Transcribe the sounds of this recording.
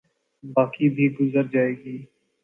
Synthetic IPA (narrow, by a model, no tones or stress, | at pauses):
baːkibʱiɡʊzəɾd͡ʒaːeːɡiː